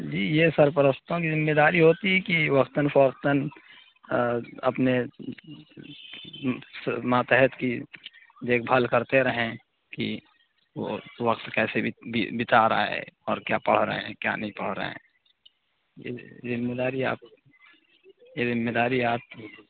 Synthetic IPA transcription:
d͡ʒiːjesəɾp̬əɾəst̪õkizɪmːeːd̪aːɾiɦoːt̪iɦɛkiʋɐqt̪ənfɔːqt̪ən | ɐ̰pne | smaːt̪əɦɛt̪ki | d̪eːkʰbʱalkəɾt̪eɾəɦẽ | ki | o̰ʋɐqt̪kɛːsebibɪt̪aɾa̰ɦɛ̰ɔ̰ːɾkja̰ːpəɽ̤ɾə̰ɦẽkja̰ːnɐɦĩpəɽ̤ɾə̰ɦḛ̃ː | jḛzɪmːed̪aːɾia̰ːp̚ | jezɪmːeːd̪aːɾiaːp̚

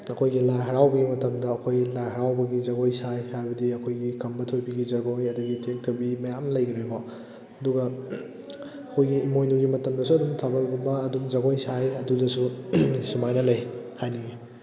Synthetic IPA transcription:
ɐkʰojɡilajɦɐɾawbɐɡimɐtɐmdɐːkʰojlajhɐɾawbɐɡid͡ʒɐɡojsajhajbɐdiɐkʰojɡikʰɐmbɐtʰojbiɡid͡ʒɐɡojɐduɡitʰek̚tʰɐwbimɐjamlɐjɡɐɾejko | ɐduɡɐ | ɐkʰojɡiːmojnuɡimɐtɐmdɐsuɐdumtʰabɐlɡumbɐːdumd͡ʒɐɡojsajɐdudɐsusumajnɐlɐjhajniɡi

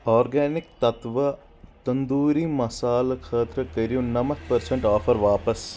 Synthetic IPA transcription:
ɔːɾɡɛːnɪk̚t̪ɐt̪ʋɐ | t̪ɐnd̪uːɾimɐsaːlkʰɐːt̪ɾɐkɐɾijũnɐmɐt̪̚ʰpɐɾsɐɳʈɔːfʰɐɾʋaːpɐs

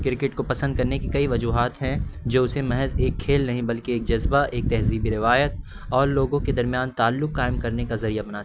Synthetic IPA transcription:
kɪɾkɪʈkopɐsə̃nd̪̚kɐɾnekikɐiʋɐd͡ʒuːɦaːt̪ɦɛ̃d͡ʒoːʊsemɐɦɛzeːkʰːeːlnɐɦĩbɐlkeeːk̚d͡ʒɐzbaʔeːk̚t̪ɛɦziːbiɾɪʋaːjət̪̚ | ɔːɾloːɡõked̪ɐɾmijaːnt̪aːlːʊkːaːɪmkɐɾnekazɐɾijabɐnaːt̪ː

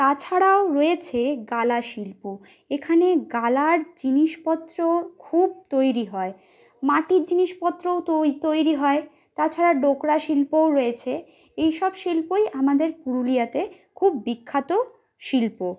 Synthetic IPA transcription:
t̪at͡ɕʰaɽaoɾoet͡ɕʰeɡalaʃilpo | ekʰaneɡalaɾd͡ʑiniʃpɔt̪ːɾokʰub̚t̪ojɾiɦɔe | maʈiɾd͡ʑiniʃpɔt̪ːɾoot̪ot̪ojɾiɦɔe | t̪at͡ɕʰaɾaɖokɾaʃilpowɾoet͡ɕʰe | ejʃɔbʃilpojʔamad̪eɾkuɾulijat̪e | kʰubːikʰːat̪o | ʃilpo

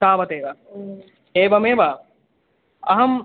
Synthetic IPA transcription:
aːʋɐt̪eːʋɐ | eːbɐmeːbɐ | ɐɦɐm

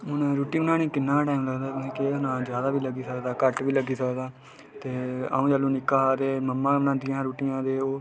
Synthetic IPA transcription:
ɦʊnɾuːʈinãːnĩːkɪnːãːʈaːimləɡd̪aːtːẽːkeɦʊnãːd͡ʒjaːd̪aːʋiːləɡiːsəkd̪aːkəʈʋiːləɡiːsəkd̪aː | t̪eːa̰ːũːd͡ʒalũːnɪkːaːat̪eːməmːãːʋnãːnd̪ɪjãːɾuːʈijãːd̪eːoː

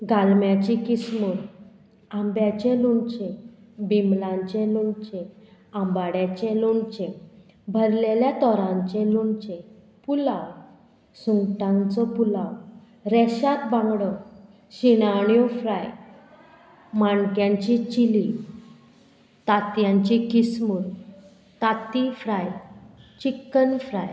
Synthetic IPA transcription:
ɡalmjãt͡ɕikismuɾ | ambjat͡ɕẽlunt͡ɕẽ | bimlãɲt͡ɕẽlunt͡ɕɛ̃ãmbaɽjat͡ɕɛ̃lunt͡ɕɛ̃ | bʱəɾleljat̪ɔɾãɲt͡ɕɛ̃lunt͡ɕɛ̃ | pulaw | suŋɡʈãnt͡sɔpulaw | ɾɛɕat̪bãŋɡɽɔ | ɕinaɽ̃jɔfɾaj | maɳkjãɲt͡ɕit͡ɕili | t̪at̪jãɲt͡ɕikismuɾ | t̪at̪ifɾajt͡ɕikːənfɾaj

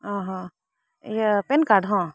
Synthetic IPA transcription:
ãɦã | jepenkaɖɦã

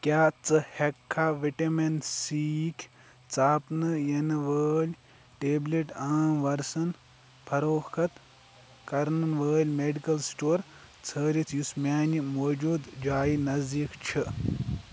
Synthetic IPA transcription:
kʲjaːt͡sɨhekʰːaʋiʈɐmensiːkʰʲ | t͡saːpnɨjɐnɨʋəːlʲ | ʈeːbleʈaːmʋɐɾsɐn | pʰɐɾoːkʰɐt̪ | kɐɾnɨʋəːlʲmeɖikɐlsʈoːɾt͡sʰəːɾit̪ʰjusmʲaːnimoːd͡ʒuːd̪d͡ʒaːjinɐzd̪iːkt͡ʃʰɨ

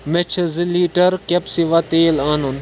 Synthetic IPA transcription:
met͡ʃʰziliːʈɐɾkɐpsiʋat̪eːlaːnun

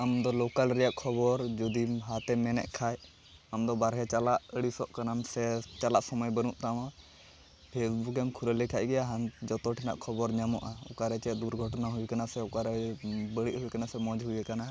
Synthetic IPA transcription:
amd̪ɔlɔkalɾɛjaʔkʰɔbɔɾd͡ʒɔd̪iɦat̪ɛmɛnɛ̰ʔkʰaj | amd̪ɔbaɾɦɛt͡ʃalaʔəɽisɔʔkanamsɛt͡ʃalaʔsɔməjbəɾũʔt̪amã | pʰesbukɛmkʰuɾəlɛkʰaʔɡɛaɦand͡ʒɔt̪ɔʈʰina̰ʔkʰɔbɔɾɲamɔʔaɔ̰kaɾɛt͡ʃɛd̪uɾɡʱɔʈnaɦujkanasɛɔkaɾɛbəɽiʔɦukanasɛmɔd͡ʒɦujɛkana

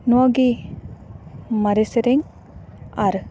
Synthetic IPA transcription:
nuaɡi | maɾeseɾeŋ | aɾ

